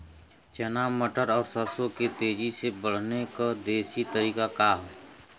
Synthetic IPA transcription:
t͡ʃənaːmːəʈəɾɔːɾsəɾsõket̪eːd͡ʒisebəɽ̤nekad̪eːʃit̪əɾiːkakaːɦoː

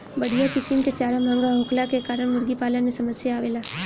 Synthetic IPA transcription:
bɐɽ̤ijakɪsimket͡ʃaːɾəmʱə̃ŋɡaɦʊkʰlakekaːɾəɽ̃mʊɾɡipaːlənmẽsɐməsjaaːʋeːlaː

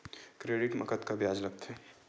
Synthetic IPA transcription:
kɾeɖɪʈmɐ̰kət̪kabjaːd͡ʒlɐk̚t̪ɦɛ

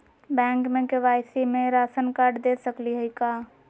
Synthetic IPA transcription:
bɛ̃ːŋkmẽkeʋaːɪsimẽɾaːsənkaɾɖd̪esəkliɦəika

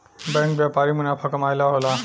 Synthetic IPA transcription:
bɛ̃ŋkbjapaɾimunapʰəkɐmajlaɦola

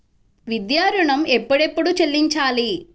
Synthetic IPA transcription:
ʋid̪jaːɾuɳɐmepːɐɽepːuɽut͡ʃelːiɲt͡ʃaːli

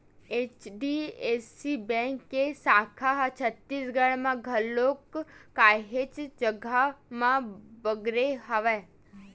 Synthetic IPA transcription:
eːt͡ʃɖieːsibɛ̃ːŋkːesaːkʰaɦt͡ʃʰət̪ːiːsɡəɽ̃mãɡʱəlːoːkːaːɦet͡ʃd͡ʒəɡamãbəɡɾeɦəʋɛ

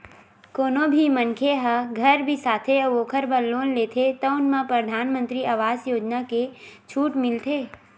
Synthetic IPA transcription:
koːnõbʱimənkʰeɦəɡʱɐɾbʱisaːt̪ʰeʋoːkʰəɾbəlːoːnleːt̪ʰet̪ɔʊnmãpɾəd̪ʱaːnmə̃nt̪ɾiaʋaːzjoːd͡ʒnaket͡ʃʰuːʈmɪlt̪ʰeː

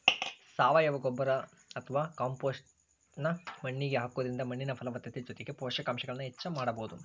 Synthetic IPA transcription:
saːʋɐjɐʋɐɡɔbːɐɾɐ | ɐt̪ʰɐʋaːkaːmpoːsʈ | nɐmɐɳːiɡeɦaːkoːd̪ɐɾind̪ɐmɐɳːinɐpʰɐlɐʋɐt̪jɐt̪ed͡ʒot̪eɡe̞pɔːʂɐkaːmʃɐɡɐɭɐnːɦɛt͡ʃːɐmaːɽɐboːud̪u

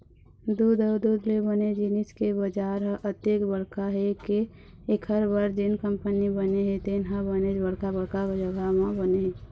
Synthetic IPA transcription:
d̪ud̪əd̪ud̪lebəned͡ʒɪnɪskebəd͡ʒaːɾɦʔət̪jekbəɽkaɦeke | ekʰəɾbəɾd͡ʒɪnkə̃mpənibəneɦɛt̪enɦãbəned͡ʒbəɽkabəɽkabəd͡ʒəɡamãbəneɦẽ

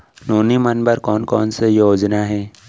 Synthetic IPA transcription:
noːnimɐnbəɾkɔːnkɔːnsejoːd͡ʒnaɦɛː

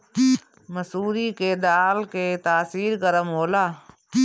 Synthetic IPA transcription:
məsuːɾiked̪aːlket̪aːsiːɾɡəɾəmɦoːlaː

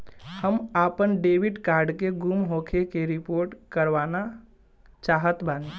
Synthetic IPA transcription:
həmapənɖeʋiɖkaɾɖkeɡumɦokʰekeɾipoɾʈkəɾʋana | t͡ʃaɦət̪bʱani

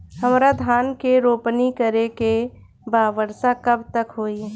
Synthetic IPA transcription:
həmɾad̪ʱaːnkeɾoːpnikəɾeke | baːʋəɾsakəbt̪əkɦoːi

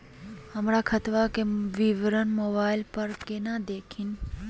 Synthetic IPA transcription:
ɦɐmɾakʰɐt̪ʋakeʋiʋɾənmoːbaːɪlpɐɾkenad̪eːkʰɪn

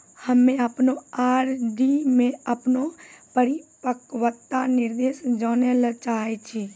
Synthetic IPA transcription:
həmẽəpnoaːɾɖimẽəpnopəɾipəkʋət̪ːanɪɾd̪eʃd͡ʒɔːnelət͡ʃaːɦet͡ʃʰi

